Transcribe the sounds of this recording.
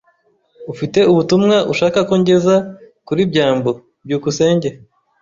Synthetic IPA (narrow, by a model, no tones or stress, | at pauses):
ufite̞uβutumŋaʔuʃaːkakoɲɟe̞zakuɾibɟaːmbo | bɟuːkuse̞ːɲɟe